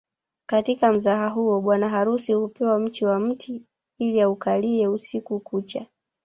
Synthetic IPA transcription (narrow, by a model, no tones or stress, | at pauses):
katikam̩zaɦaɦuɔɓwanaɦaɾusihupɛwam̩tiwam̩tʰi | iliaukaliɛusikukut͡ʃa